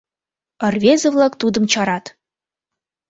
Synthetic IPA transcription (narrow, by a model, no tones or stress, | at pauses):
ə̆rvʲezə̆vlˠɑkt̪ud̪ɤ̆mt͡ɕɑɾɑt̪